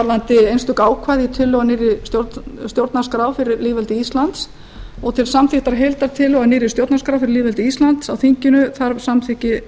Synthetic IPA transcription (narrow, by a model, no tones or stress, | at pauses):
aɾðant̪ɪejnst̪ʏkaːwkʰvaːðit̪ʰʏlːœɣanɪːɾɪst̪joɾst̪jowɾt̪naskɾaːwfɪɾɪɾliːvɛlt̪ɪist̪lant̪s | ɔɣt̪ʰɪlsamθɪht̪aɾ̥ɦejlt̪aɾt̪ʰɪlœɣanɪːɾɪ̥st̪jowɾt̪naskɾawfɪɾɪɾliːvɛlt̪ɪist̪lant̪sawθiɲcɪnʏθaɾsamθɪhcɪ